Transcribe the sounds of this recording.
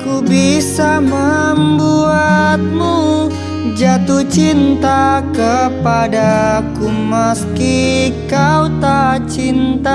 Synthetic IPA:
kubisaməmbuat̪̚mu | d͡ʒat̪ut͡ʃint̪akəpadakuməskikaut̪at͡ʃint̪a

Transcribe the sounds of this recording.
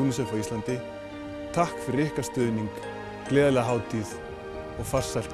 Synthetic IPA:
unisɛfawist̪lant̪ɪ | t̪ʰahkfɪɾɪhkast̪œːðniŋk | klɛːðalɛɣaɦaːwt̪ʰið | ɔɣfar̥sal̥

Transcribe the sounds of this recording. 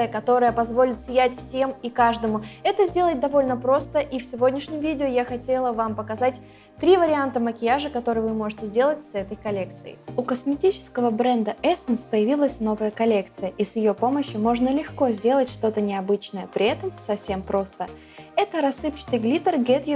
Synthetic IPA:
ɨjəkɐt̪o̞ɾəjəpɐzvo̞lʲɪt̪sʲɪjætʲfsʲe̞mikaʐd̪əmʊɛt̪əzʲdʲe̞lˠət̚ʲd̪ɐvo̞lʲnəpɾo̞st̪əʔifsʲɪvo̞dʲnʲɪʂnʲɪmvʲidʲɪʊjaxɐtʲe̞lˠəvampəkɐzatʲ | t̪ɾʲivəɾʲɪant̪əməkʲɪjaʐɨkɐt̪o̞ɾɨjvɨmo̞ʐɨtʲɪzʲdʲe̞lˠətʲsɛt̪əjkɐlʲe̞k̚t̪sɨjɪ̰ʊkəsmʲɪtʲit͡ɕɪ̥skəvəbɾɛnd̪əʔɛsənspəjɪvʲilˠəsʲno̞vəjəkɐlʲe̞kt̪sɨjəʔisjɪjo̞po̞məɕːʊmo̞ʐnəlʲɪxko̞zʲdʲe̞lˠətʲʂt̪o̞t̪ənʲɪɐbɨt͡ɕnəjəpɾʲɪɛt̪əmsɐfsʲe̞mpɾo̞st̪ə | ɛt̪əɾɐsːɨpt͡ɕɪ̥t̪ɨɡlʲit̪ərɡʲɛt̪jɪ

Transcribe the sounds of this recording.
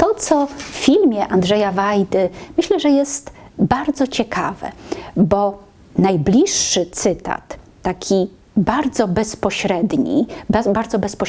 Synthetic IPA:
t̪ɔt̪sɔffʲilmʲjɛʔand̪ʐɛjavajd̪ɘmɘɕlɛʐɛjɛst̪baɾd̪zɔt͡ɕɛkʰavɛ̰bɔ | najblʲiʂːɘt̪sɘt̪a̰t̪ː | akʲʰi | baɾd̪zɔbɛspɔɕɾɛd̪ɲḭbaɾd̪zɔbɛspɔ

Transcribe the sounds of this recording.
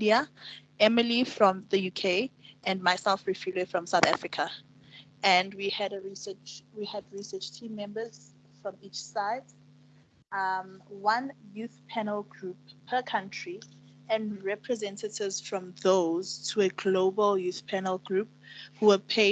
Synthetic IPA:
iaɛməlifɹɔ̃mðəjukʰeɪʔɛ̃nmaɪsɛlfɹifjuləfɹɔ̃msaθa̰fɹikʰə | ɛ̃ndwihɛɾəɹisɜt͡ʃwihɛdɹisɜt͡ʃtʰĩmːɛ̃mbəz̥ | fɹɔ̃mit͡ʃsaɪd | amwãnjuθpʰɛnəlˠɡɹupʰːəkʰãntʰɹi | ɛ̃nɹɛpʰɹɛzɛ̃ntətʰɪvz̥fɹɔ̃mðoz̥tʰuəɡloʊbəljuθpʰɛnəlˠɡɹuphuwəpʰe

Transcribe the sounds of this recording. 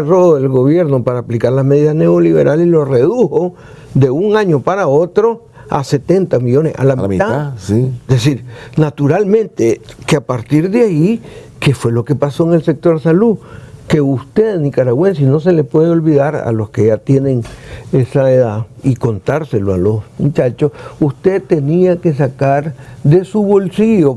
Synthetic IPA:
rooðelɣo̞βje̞ɾno̞paɾaːplikaɾlame̞ðiðazne̞oliβe̞ɾʔalilo̞re̞ðuho̞ | ðe̞uŋaɲo̞paɾao̞t̪ɾo̞ | a̰se̞t̪e̞nt̪amiʎo̞nesa̰lama | ðesiɾnat̪uɾalmẽnt̪ekeapaɾt̪iɾðeai | kefwe̞lo̞kepaso̞eŋelsek̚t̪oɾsalukeust̪eðnikaɾaɣwens̬ino̞s̬e̞lepweðeo̞lβiðaɾa̰loskeʝat̪je̞neŋesaeðaiko̞nt̪aɾseloalosmut͡ʃat͡ʃosust̪et̪eniake̞s̬akaɾd̪esuβo̞lsiʝo

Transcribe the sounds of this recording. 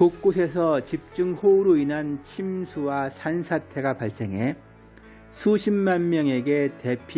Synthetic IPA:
kok͈osʰe̞sʰʌt͡ɕip̚t͡ɕ͈uŋhoɾoinant͡ɕʰimsʰuwasʰansʰatʰe̞ɡapaɭs͈e̞ŋɦe̞ | sʰuɕʰimmanmjʌŋe̞ɡe̞te̞pʰ

